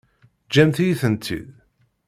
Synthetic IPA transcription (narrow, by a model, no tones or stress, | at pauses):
d͡ʒæmθijiθənt̪ʰːḭð